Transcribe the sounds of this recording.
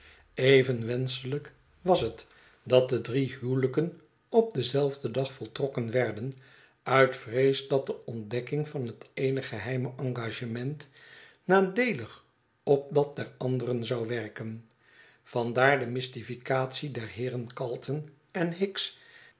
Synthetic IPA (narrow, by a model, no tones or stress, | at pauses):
ejvənʋɛnsələk | ʋɑsɦət | dɑt̚dədriɦywləkən | ɔp̚dəzɛlˠvdədɑχfɔlˠtrɔkənʋɛɹdən | œɥtfrejsdɑt̚dəɔndɛkɪŋvɑnɦətejnəχəɦɛjməʔɑŋɡaːʒəmɛnt | naːdejləχ | ɔp̚dɑt̚dɛɹɑndərənzɑwʋɛɹkən | v̥ɑndaːɹdəmɪstifikaːtsidɛɹɦɪːrənkɑlˠtʰən | ɛnɦɪks